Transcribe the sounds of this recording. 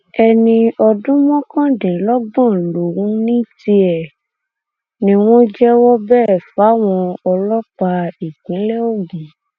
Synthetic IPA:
ɛ˧nĩ˧ɔ˧dũ˦mɔ̃˦kã˦dĩ˨lɔ˦ɡ͡bã˦˨lo˨wũ˨˦nĩ˦ti˧ɛ˨ | nĩ˦w̃ɔ̃˦d͡ʒɛ˦wɔ˦bɛː˦˨fa˨˦w̃ɔ̃˧ɔ˧lɔ˦k͡pa˧i˨kĩ˨˦lɛ˦o˦˨ɡ͡bĩ˨

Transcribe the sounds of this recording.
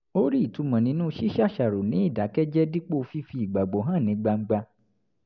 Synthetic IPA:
o˦ɾi˦˨tu˨˧˦mã˨nĩ˨˧˦nũ˦ʃi˦ʃa˦˨ʃa˨ɾo˨nĩ˨˦i˦˨da˨˦kɛ˦d͡ʒɛ˦di˦k͡po˦˧fi˦fi˧i˨ɡ͡ba˨ɡ͡bo˨ɦã˦˨nĩ˨˧˦ɡ͡ba˧ŋ͡m̩˦ɡ͡ba˧

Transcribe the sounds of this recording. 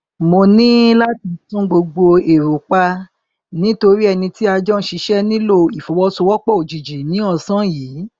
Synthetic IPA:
mo˧nĩ˦la˦ti˧tũ˦ɡ͡bo˧ɡ͡bo˧e˨ɾu˨k͡pa˧ | nĩ˨˦to˧ɾi˦ɛ˧nĩ˧ti˦a˧d͡ʒɔ̃˦ʃi˧˦ʃɛ˦nĩ˦lo˦˨i˨fo˨˦wɔ˧so˧wɔ˦k͡pɔ˦˨o˨d͡ʒi˨d͡ʒi˨nĩ˨˦ɔ˧sã˦jiː˨˦

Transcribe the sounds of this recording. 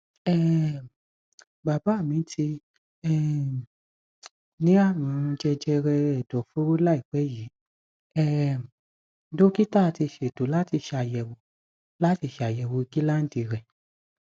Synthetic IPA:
ɛ˦ | ba˨ba˨˦˨mĩ˨˦ti˧ | ɛ˦˧˦ | nĩ˨˦a˦˨mũ˨˦˧d͡ʒɛ˧d͡ʒɛ˧ɾɛ˧ɛ˨dɔ˨fo˦ɾo˦la˦i˦˨k͡pɛ˨˦ji˨˦ | ɛ˦˧˨ | do˦ki˦ta˦˨ti˧ʃe˨do˨˦la˦ti˧ʃa˨˧˨jɛ˧˨wo˧˨ | la˦ti˧˦ʃa˨jɛ˨wo˧i˧ɡi˦la˦n̩˦di˧˨ɾɛ˨

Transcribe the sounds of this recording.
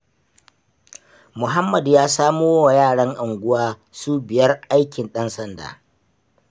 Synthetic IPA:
mʊ˨ɦa˦mːɐ˨djaː˦saː˦moː˦wa˨jaː˦˨ɽɐ˦ŋʔa˨ŋɡʷʊ˦waː˦ | suː˦bɪ˨jɐ˦rʔa˦jkʲɪ˨nɗɐ˦nsɐ˦nda̰ː˨

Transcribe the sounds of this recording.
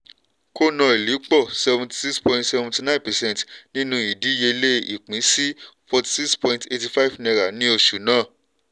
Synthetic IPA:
ko˦nã˧e˨li˨˦k͡pɔ˦˨sɛ˧vũ˧ti̥˧si˦kspɔ̃˧ĩntsɛ˧vũ˧ti˧nã˦˨pɛ˨sɛ̃˦n˨tnĩ˦nũ˦i˨di˨˦je˧le˦i˨k͡pĩ˨˦si˦fɔ˧ti̥˧si˦kspɔ̃˧ĩnte˧ti˧fa˦i˨fnɛ̃˧ɾa˨nĩ˦o˧ʃu˨˦nãː˦˨

